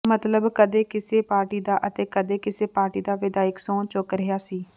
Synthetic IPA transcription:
mət̪ləbkəd̪eːkɪseːpaːɾʈiːd̪aːʔət̪eːkəd̪eːkɪseːpaːɾʈiːd̪aːʋɪd̪aːɪksõːt͡ʃokɾɪɦjaːsiː

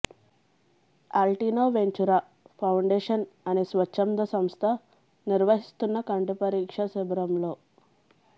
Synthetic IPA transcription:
alʈiːnoːʋeɲt͡ʃuɾaː | pʰɐwɳɖeːʂɐnɐneːsʋɐt͡ʃːɐmd̪ɐsɐmst̪ʰɐ | niɾʋɐɦist̪unːɐkɐɳʈipɐɾiːkʂɐsibɐɾɐmlo̞ː

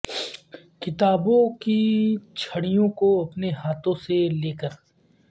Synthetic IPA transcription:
kɪt̪aːbõkit͡ʃʰɐɽijõkoɐpneɦaːt̪õseleːkəɾ

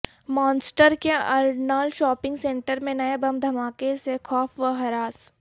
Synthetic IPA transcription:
mɔːnsʈəɾkeɐɾɖnaːlʃɔːpɪ̃ŋɡsẽːɳʈəɾmẽnɐebɐmd̪ʱɐmaːkesekʰɔːfʰʋəɦɐɾaːs

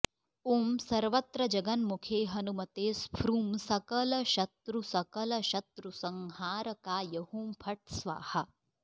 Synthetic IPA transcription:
umsɐɾʋɐt̪ɾɐd͡ʒɐɡɐnmukʰeːɦɐnumɐt̪eːspʰɾuːmsɐkɐlɐʃɐt̪ɾusɐkɐlɐʃɐt̪ɾusɐŋɦaːɾɐkaːjɐhumpʰɐʈ̚sʋa̰ːhɐ

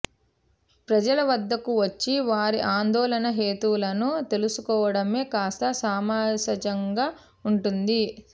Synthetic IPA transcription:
pɾɐd͡ʒɐlɐʋɐd̪ːɐkuʋɐt͡ʃːiʋaːɾiʔaːnd̪ɔːlɐnɐɦe̞ːt̪ulɐnut̪e̞lusukɔːʋɐɽɐme̞ːkaːst̪ɐsaːmaːɐd͡ʒɐŋɡaː | uɳʈund̪i

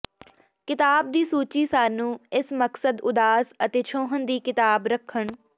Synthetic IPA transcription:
kɪt̪aːb̚d̪iːsuːt͡ʃiːsaːnũːɪsməksəd̪ʊd̪aːsət̪eːt͡ʃʰõːɦənd̪iːkɪt̪aːbɾəkʰːəɳ

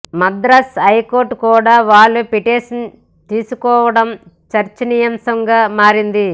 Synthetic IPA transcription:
mɐd̪ɾɐsɐjkoːɾʈkuːɽaːʋaːɭːupiʈeːʂɐn | t̪iːsukɔːʋɐɽɐm | t͡ʃɐɾt͡ʃɐnijɐmsɐŋɡaːmaːɾind̪i

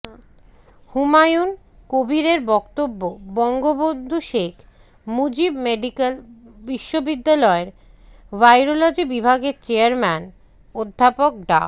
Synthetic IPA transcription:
humajun | kobʱiɾeɾbɔkt̪obːobɔŋɡobond̪ʱuʃekʰ | mud͡ʑibmeɖikel | biʃːobid̪ːalɔeɾ | ʋajɾolad͡ʑibibʱaɡeɾt͡ɕeaɾmɛn | od̪ʱːapok̚ɖa̰

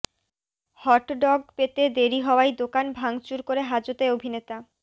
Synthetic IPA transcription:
hɔʈɖɔɡ̚pet̪ed̪eɾiɦɔoajd̪okanbʱaŋt͡ɕuɾkoɾeɦad͡ʑot̪eobʱinet̪a

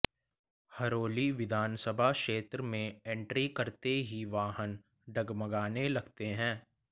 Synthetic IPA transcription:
hɐɾoːliʋɪd̪ʱaːnsəbʱaʃeːt̪ɾəmẽɛ̃ɳʈɾikɐɾt̪eɦiʋaːɦən | ɖɐɡmɐɡaːnelɐɡt̪eɦɛ̃ː

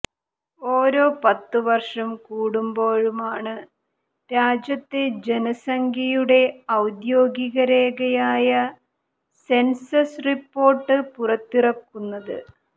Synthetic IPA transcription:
o̞ːɾo̞ːpɐt̪ːɨʋɐrʂɐmkuːɽumbo̞ːɻumaːɳɨ | ɾaːd͡ʑjɐt̪ːed͡ʑe̞nɐsɐŋɡʰʱijuɽe̞ɐwd̪jo̞ːɡiɣɐɾeːɣɐjaːjɐ | se̞nsɐsripːo̞ːrʈːɨpurɐt̪ːirɐkːunːɐðɨ̰

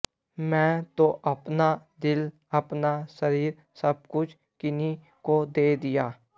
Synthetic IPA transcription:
mɛ̃ːt̪oʔɐpnad̪ɪl | ɐpnasəɾiːɾ | səb̚kʊt͡ʃʰ | kɪni | kod̪eːd̪ɪjaː

